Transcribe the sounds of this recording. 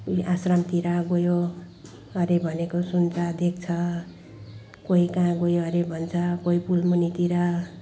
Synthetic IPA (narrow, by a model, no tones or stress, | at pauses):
kuiʔasramt̪iɾaɡojo | ʌɾebʱʌnekosunt͡sʰʌd̪ek̚t͡sʰʌ | koɦikãɡojoʌɾebʱʌnt͡sʰʌkoɦipulmunit̪iɾʌ